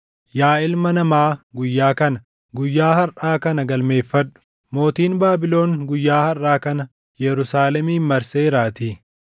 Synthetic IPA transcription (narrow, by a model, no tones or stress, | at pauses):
jaːɪlmɐnɐmaːɡʊjːaːkɐnɐ | ɡʊjːaːhɐɾʔaːkɐnɐɡɐlme̞ːfːɐᶑʊ̥ | mo̞ːt̪iːnbaːbɪlo̞ːnɡʊjːaːhɐrʔaːkɐnɐ | jɛɾʊsaːlɛmiːmːɐɾseːɪɾaːt̪iː